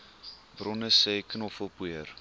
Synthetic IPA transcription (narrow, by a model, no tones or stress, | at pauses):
brɔnəsɛjknɔfəlˠpuər